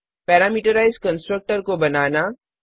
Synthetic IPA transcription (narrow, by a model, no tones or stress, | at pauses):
pɛːɾaːmiːʈəɾaːɪzkɐ̃nsʈɾək̚ʈəɾkobɐnaːna